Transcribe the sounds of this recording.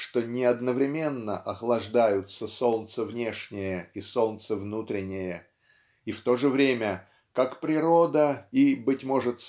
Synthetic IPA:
ʂt̪o̞nʲɪɐd̪nəvɾʲɪmʲe̞nːə̰ʔɐxlˠɐʐd̪ajʊt̪səso̞lˠt̪səvnʲe̞ʂnʲɪjəiso̞lˠt̪səvnut̪ɾʲɪnʲɪjə | ift̪o̞ʐɨvɾʲemʲə | kakpɾʲɪɾo̞d̪əibɨtʲmo̞ʐɨt̪

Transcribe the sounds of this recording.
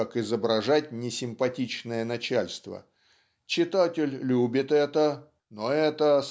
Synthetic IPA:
akɪzəbɾɐʐatʲnʲɪsʲɪmpɐtʲit͡ɕnəjənɐt͡ɕælʲst̪və̰ | t͡ɕɪt̪atʲɪlʲlʲubʲɪt̪ɛt̪ə | noɛt̪əs

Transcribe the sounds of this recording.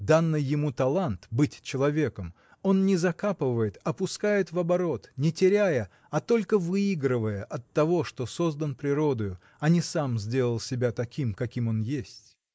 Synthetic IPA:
d̪anːɨjːɪmut̪ɐlˠant̪bɨtʲt͡ɕɪlˠɐvʲe̞kəm | o̞nnʲɪzɐkapɨvəjɪt̪ɐpʊskajɪt̪vɐbɐɾo̞t̪nʲɪtʲɪɾʲæjə | ɐt̪o̞lʲkəvɨiɡɾɨvəjəʔɐt̪ːɐvo̞ʂt̪o̞so̞zd̪ənpɾʲɪɾo̞d̪ʊjʊ | ɐnʲɪsamzʲdʲe̞lˠəlˠsʲɪbʲat̪ɐkʲimkɐkʲimo̞njesʲtʲ

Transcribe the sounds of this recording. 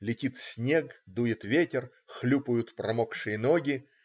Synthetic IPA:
lʲɪtʲit̪sʲnʲeɡd̪ujɪt̪vʲetʲɪr | xlʲupʊjʊt̪pɾɐmokʂɨjənoɡʲɪ

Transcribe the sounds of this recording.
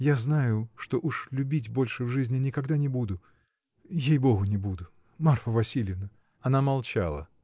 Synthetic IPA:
jaznajʊʂt̪o̞ʔuʂlʲʉbʲitʲbo̞lʲʂɨvʐɨzʲnʲɪnʲɪkɐɡd̪anʲɪbud̪ʊ | jejboɣʊnʲɪbud̪ʊ | marfəvɐsʲilʲjɪvnə | ɐnamɐlˠt͡ɕa̰lˠə̰

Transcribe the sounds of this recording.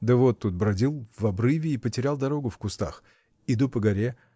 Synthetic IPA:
d̪əvo̞t̪ːut̪̚bɾɐdʲilˠvɐbɾɨvʲɪːpətʲɪɾʲalˠd̪ɐɾo̞ɡʊfkʊst̪a̰x | ɪd̪upəɡɐɾʲe

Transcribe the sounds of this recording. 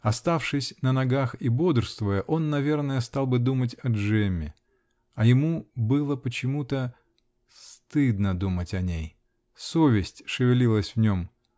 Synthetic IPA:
ɐst̪afʂɨsʲnənɐɡaxibo̞d̪rst̪vəjəʔo̞nːɐvʲe̞rnəjəst̪ɑlˠbɨd̪umət̬ʲɐʐɛmʲːɪ̰ | ɐjɪmubɨlˠəpət͡ɕɪmut̪ə | sst̪ɨd̪nəd̪umətʲɐnʲej | sovʲɪsʲtʲʂɨvʲɪlʲilˠəsʲvnʲo̞m

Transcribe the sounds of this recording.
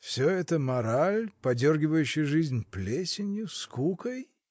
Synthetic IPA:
fsʲoɛt̪əmɐɾalʲpɐdʲorɡʲɪvəjʉɕːɪjʐɨzʲnʲplʲesʲɪnʲjʊskukəj

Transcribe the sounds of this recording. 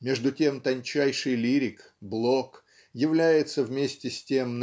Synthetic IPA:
mʲe̞ʐd̪ʊtʲe̞mt̪ɐnʲt͡ɕæjʂɨjlʲiɾʲɪk | blˠo̞k | jɪvlʲæjɪt̪səvmʲesʲtʲɪsʲtʲemn

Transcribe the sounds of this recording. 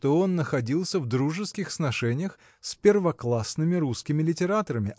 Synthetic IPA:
t̪oo̞nːəxɐdʲilˠsʲəvd̪ɾuʐɨskʲɪxəsnɐʂɛnʲɪjəx | sʲpʲɪrvɐklˠasnɨmʲɪɾuskʲɪmʲɪlʲɪtʲɪɾat̪əɾəmʲɪ

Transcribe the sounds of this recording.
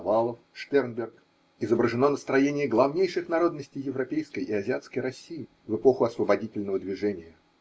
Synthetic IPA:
valˠəfʂt̪ʲɛrnbʲɪrk | ɪzəbɾəʐɨno̞nəst̪ɾɐjenʲɪjɪɡlˠɐvnʲejʂɨxnɐɾo̞d̪nəsʲtʲɪjːɪvɾɐpʲejskəjʔɪɐzʲɪat̪skəjɾɐsʲːijɪ | vɨpo̞xʊɐsvəbɐdʲitʲɪlʲnəvəd̪vʲɪʐɛnʲɪjə

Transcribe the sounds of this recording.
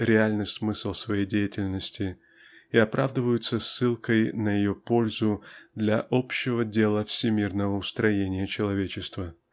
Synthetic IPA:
ɾʲɪalʲnɨjsmɨslˠsvɐjejdʲejɪtʲɪlʲnəsʲtʲɪ | iɐpɾʔavd̪ɨvəjʊt̪səsːɨlˠkəjnəjɪjo̞po̞lʲzʊd̪lʲɐʔo̞pɕːɪvədʲe̞lˠəfsʲɪmʲirnəvəʊst̪ɾɐjenʲɪjət͡ɕɪlˠɐvʲet͡ɕɪst̪və

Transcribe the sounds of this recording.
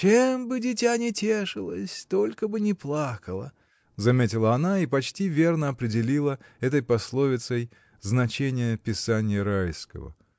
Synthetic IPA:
t͡ɕembɨdʲɪtʲanʲɪtʲeʂɨlˠə̰sʲt̪o̞lʲkəbɨnʲɪplˠakəlˠə̰ | zɐmʲetʲɪlˠəɐnaipɐt͡ɕtʲivʲe̞rnəɐpɾʲɪdʲɪlʲilˠəɛt̪əjpɐslˠo̞vʲɪt̪səj | znɐt͡ɕenʲɪjəpʲɪsanʲɪjəɾajskə̰və̰

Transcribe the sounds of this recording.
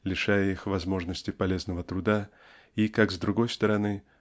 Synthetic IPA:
lʲɪʂajəixvɐzmo̞ʐnəsʲtʲɪpɐlʲe̞znəvət̪ɾʊd̪a | ikakzd̪ɾʊɡo̞jst̪əɾɐnɨ

